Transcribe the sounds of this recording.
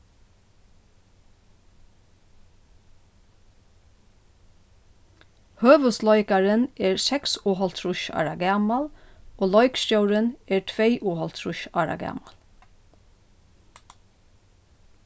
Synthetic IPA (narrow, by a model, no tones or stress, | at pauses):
høːʋəslɔʏkaɹɪnɛːɹsɛksuːɦɔlt̪ʰɾʊʃɑ̰ːɹaɡæːmaloːlɔʏkscœwɹənɛːɹtʰʋejʔuːhɔlt̪ʰɹʊʃɑ̰ːɾa̰ɡæ̰ːmal